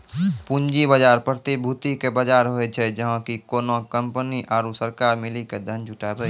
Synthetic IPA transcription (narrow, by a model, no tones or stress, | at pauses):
pʊnd͡ʒibəd͡ʒaːɾpɾət̪ibʱut̪ikebəd͡ʒaːɾɦoet͡ʃʰɛd͡ʒəɦãkikoːnokə̃mpəniʔaːɾusəɾkaːɾmɪliked̪ʱə̃nd͡ʒʱʊʈaːbə